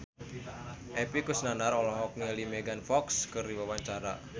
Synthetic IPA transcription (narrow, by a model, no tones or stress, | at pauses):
ʔɛpikusnanaɾɔlɔɦɔk̚nilimeɡanfɔkskɨrdiwawaɲt͡ʃaɾa̰